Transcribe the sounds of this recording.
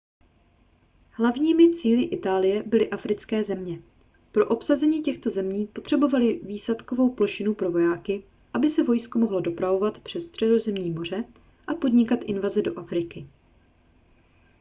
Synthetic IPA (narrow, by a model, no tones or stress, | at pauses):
hlavɲiːmɪt͡siːlɪʔɪt̪aːlɪjɛbɪlɪʔafɾɪt͡skɛːzɛmɲɛ | pɾo̞ʔo̞psazɛɲiːcɛxt̪o̞zɛmɲiːpo̞t̪r̝̥ɛbo̞valɪviːslat̪ko̞vo̞wplo̞ʃɪnupɾo̞vo̞jaːkɪ | ʔabɪsɛvo̞jskomo̞ɦlodo̞pɾavo̞vat̪pr̥ɛssːt̪r̝̥ɛdo̞zɛmɲiːmo̞r̝ɛ | ʔapo̞dɲɪkat̪ʔɪnvazɛdo̞ʔafɾɪkɪ